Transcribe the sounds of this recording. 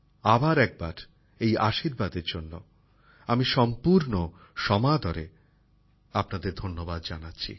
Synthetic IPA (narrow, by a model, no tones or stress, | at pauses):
abaɾɛk̚baɾ | ejaʃiɾbad̪eɾd͡ʑonːo̰ | amiʃɔmpuɾnoʃɔmad̪ʱɔɾe | apnad̪eɾd̪ʱonːobad̪d͡ʑanatːɕʰḭ